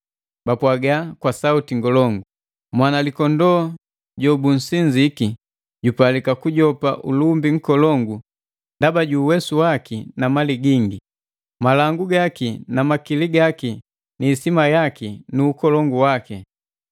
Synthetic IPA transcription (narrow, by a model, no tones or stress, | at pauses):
bapwaɡakwasautiŋɡɔlɔŋɡu | mwanalikɔndɔ | ɟɔbun̩siɲd͡ʒiki | ɟupalikakuɟɔpa̰ʔulumbiŋ̩kɔlɔŋɡu | ndabaɟuːwɛsuwakinamaliɡiŋɡi | malaŋɡuɡakinamakiliɡaki | niːsimajakinuːkɔlɔŋɡuwaki